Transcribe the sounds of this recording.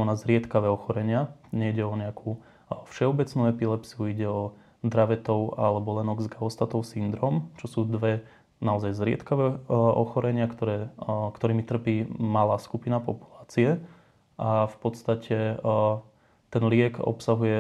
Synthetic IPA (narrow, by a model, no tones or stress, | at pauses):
ɔnazɾɪɛt̪kaʋɛːɔxɔɾɛɲɪaɲɛiɟɛɔɲɛakʰu | fʃɛɔbɛt͡snuɛpilɛpsiuiɟɛɔ | d̪ɾaʋɛt̪ɔʊa̰lɛbɔlɛnɔɡzɡaɔst̪at̪ɔʊsind̪ɾɔːmt͡ʃɔsuːd̪ʋɛ | naɔzajzɾɪɛ̰t̪kaʋɛɔ̰xɔɾɛɲɪakt̪ɔɾɛːkt̪ɔɾiːmit̪r̩piːmalaːskupinapɔpu̥laːt͡siɛ | ʔafpɔt̪st̪acʰɛ | t̪ɛnlɪɛkɔ̰psaɦujɛ